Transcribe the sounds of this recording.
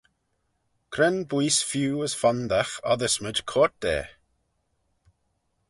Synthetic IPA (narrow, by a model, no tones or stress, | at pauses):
kʰɾɛnbwiːsfjuːəsfand̪axa̰ðəsmədkʰɔːt̚d̪̥ɛ̰ː